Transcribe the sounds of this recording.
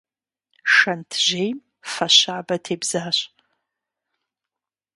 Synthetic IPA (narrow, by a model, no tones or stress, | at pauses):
ʂantʰʒʷejm | faʃaːbɐtʰejbzaːɕʷ